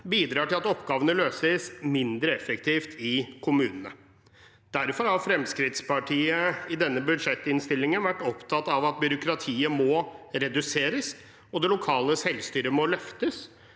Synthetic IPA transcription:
biːd̪ɾɑːʈɪlɑt̪ɔpːɡɑːʋənəløːsəsmɪnd̪ɾəɛfɛkt̪ʰiːft̪ʰɪkʰʊmʉːnənə̰ | d̪̥æɾfɔɾhɑɾfɾɛmskɾɪt̪spɑʈʰiːəɪd̪ɛnːəbʉd̪ʂɛt̪ːɪnst̪ɪlːɪŋənʋæʈːɔpt̪ʰɑt̪ːɑʋɑt̪̚bjʏɾʊkɾɑt̪ʰiːəmɔɾɛd̪ʉseːɾəs | ɔd̪ɛlʊkʰɑːləsɛlst̪yːɾəmɔlœft̪əs

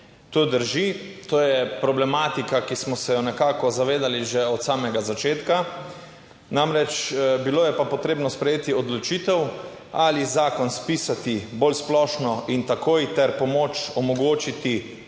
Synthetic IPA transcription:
t̪oːd̪əɾʒit̪oːjɛpɾɔblɛmaːt̪ikakismɔsɛjɔnɛkaːkɔzaʋeːd̪aliʒeɔt̪saːmɛɡazat͡ʃeːt̪ka | namɾɛt͡ʃbiloːjɛpapoɔt̪ɾeːbnɔspɾɛjeːt̪iɔd̪lɔt͡ʃit̪ɛw | alizaːkɔnspiːsat̪ibolsplɔːʃnɔint̪akoːjt̪ɛɾpɔmoːt͡ʃɔmɔɡoːt͡ʃit̪i

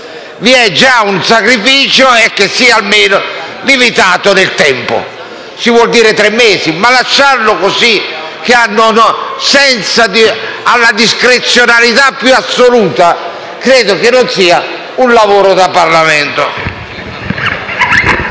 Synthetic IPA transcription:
viɛd͡ʒːaunsakɾifiːt͡ʃoɛkːesːiːaalmeːno | limit̪aːt̪onelt̪ɛmpo̰ | sivwɔld̪iːɾet̪ɾemːeːzimalaʃːaɾlokosi | k̟eanːonsɛnt̪sad̪ialːad̪iskɾet̪sːjonalit̪apːjuasːoluːt̪a | kɾeːd̪okenːonsiːa | unlavoːɾod̪apːarlamɛnt̪o

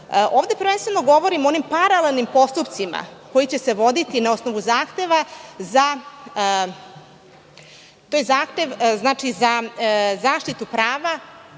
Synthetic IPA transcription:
ʔo̞ːʋd̪e̞pəɾʋe̞nst̪ʋeno̞ɡo̞ʋo̞ɾimoonimpaɾalelˠnimpo̞st̪upt̪sima̰ko̞jit͡ɕe̞se̞ʋo̞d̪it̪inao̞sno̞ʋuzaːxt̪e̞ʋaza | t̪oːjezaːxt̪e̞ʋznaːt͡ʂizazaːʃt̪it̪upɾaːʋa

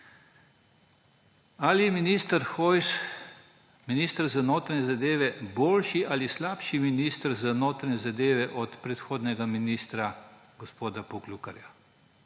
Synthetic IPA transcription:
alijɛminiːst̪əɾxɔjs | miniːst̪əɾzanoːt̪ɾanɲɛzad̪eːʋɛboːlʃiʔalislaːpʃiminiːst̪ɾzanoːt̪ɾaɲʲɛzad̪eːʋɛʔɔt̪pɾɛt̪xoːd̪nɛɡaminist̪ɾa | ɡɔspoːd̪apuklukaɾja

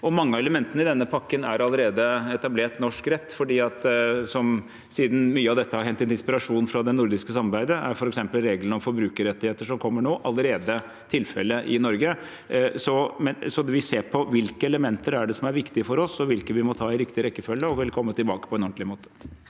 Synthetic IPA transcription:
ɔmɑŋːəɑɛləmɛnt̪ənəɪd̪ɛnːəpʰɑkːənæɾɑlːəɾeːd̪əɛt̪ɑbleːʈnɔʂkɾɛt̪ːfɔɖiːɑt̪sɔm | siːd̪n̩myːəɑʋd̪ɛt̪ːəhɑɾɦɛnt̪ːɛnd̪ɪnspɪɾɑʂuːnfɾɑd̪ɛnʊɾd̪ɪskəsɑmɑɾbæɪd̪əæ̰ɾfɔɾɛksɛmpəlɾeːɡlənɔmfɔɾbɾʉːkəɾɛt̪ːɪheːt̪əʂɔmkʰɔmːəɳoːʔɑlːəɾeːd̪ə | t̪ʰɪlfɛlːəʔɪnɔɾɡə | sɔmɛsɔd̪ɛʋɪseːpʰɔʋɪlkəɛləmɛnt̪əɾæɖɛsɔmæɾʋɪkt̪ɪəfɔɾɔsɔʋɪlkəʋɪmɔt̪ʰɑːɪɾɪkt̪ɪɾɛkːəfœlːəɔʋɪlkʰɔmːət̪ɪlbɑːkə̥pʰɔɛnɔnt̪ʰlɪmoːt̪ʰə̥

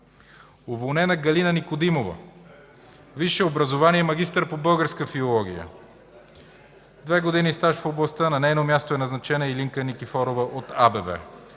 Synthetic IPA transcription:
ovolˠnɛnɐɡɐlinɐnikod̪imovə̰ | viʃɛobɾɐzovaniɛmɐɡʲist̪əɾpobɤlˠɡəɾskəfiolˠɔɡ̟ijə̰ | d̪vɛɡod̪inist̪aʃfoblˠɐst̪ənɐnɛjnomjast̪oɛnɐznɐt͡ʃɛnəiliŋkənikifɔɾovəʔot̪abɛbɛ̰

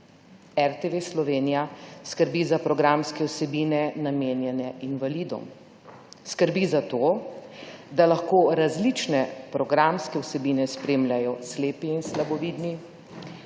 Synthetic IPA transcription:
ɛɾt̪eʋeslɔʋeːnijaskəɾbizapɾɔɡɾamskɛwsɛbiːnɛnameːnjɛnɛinʋaliːd̪ṵm | skəɾbizat̪oː | d̪alaxkoːɾazlit͡ʃnɛpɾɔɡɾamskɛwsɛbiːnɛspɾeːmlʲjajɔsleːpiːnslabɔʋiːd̪ni

